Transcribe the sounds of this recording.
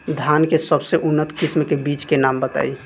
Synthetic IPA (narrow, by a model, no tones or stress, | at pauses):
d̪ʱankesəbseʔunːət̪kismkebit͡ʃkenambət̪a̰i